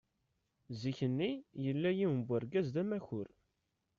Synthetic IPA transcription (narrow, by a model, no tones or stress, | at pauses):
ziçənːijəlːæjiwəmbʷæɾɡæzðæmæçʊɾ